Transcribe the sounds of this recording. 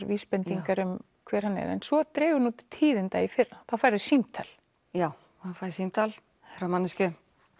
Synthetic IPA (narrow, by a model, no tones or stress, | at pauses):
ɾviːspɛnt̪iŋkaɾʏm | kʰv̥ɛːɾ̥hanːɛ̰ɾɛ̰nsvɔt̪ɾɛːɣʏɾnut̪t̪ʰiːðɪnt̪aːjɪfɪraθawfaːjɾðʏsimt̪ʰa̰l | jaːw | afajɾsimt̪ʰal | θɛɾamanːɪscʏ